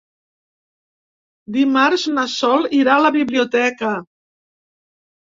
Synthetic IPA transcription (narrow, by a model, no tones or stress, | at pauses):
d̪imaɾznasɔliɾaləβiβliut̪ɛkə